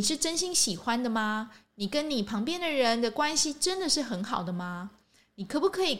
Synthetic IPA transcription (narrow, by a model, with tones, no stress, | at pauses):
i˨˩ʂɻ̩˥˩ʈ͡ʂə˥nɕi˥ŋɕi˨˩xwa˦nd̪ə˨ma˨ni˨˩kə˦nni˨˩pʰɑ˧˥ŋpjɛ˥nd̪ə˨ɻə˧˦nd̪ə˨kwa˥nɕi˨ʈ͡ʂə˦nd̪ə˨ʂɻ̩˥˩xə˧˥nxɑ˨˩ʊd̪ə˦ma˨ | ni˨˩kʰɤ˧˥pu˧˥kʰɤ˧˥i˨˩